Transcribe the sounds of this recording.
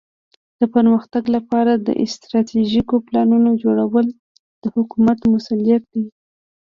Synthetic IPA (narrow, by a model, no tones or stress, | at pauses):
d̪̥əpəɾməxt̪aɡlapɑɾad̪ə̰ʔɪst̪ɾɑt̪ʰeʒikoplɑnunod͡ʒoɽawəl | d̪̥əhʊkumat̪mʊsalijat̪̚d̪e